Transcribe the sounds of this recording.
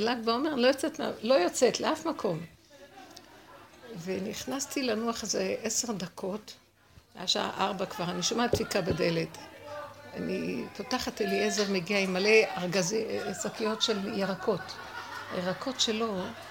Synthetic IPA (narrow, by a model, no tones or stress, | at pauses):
lakbao̞me̞ʁlojot͡setma̰lo̞jot͡se̞tleʔafmakʰo̞m | veniχnastilanuaχazeʔeseʁdakʰo̞t | ajaʃa̰ʔaʁbakv̥aʁaniʃomat̪fikabede̞le̞t | a̰nḭpotaχateliezo̞ʁmeɡiaimːale̞aʁɡaziesakijo̞tʃe̞ljeʁako̞t | jeʁakʰo̞tʃe̞lo̞